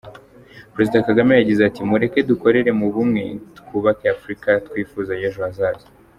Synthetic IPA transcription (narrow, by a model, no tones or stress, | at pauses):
pɾe̞zidakaɡame̞jaɟizeatimuɾe̞ke̞duko̞ɾe̞ɾe̞muβumŋe̞̰tu̥kuːβakeafɾikatkwiːfuːzajeʒoazaːzi̥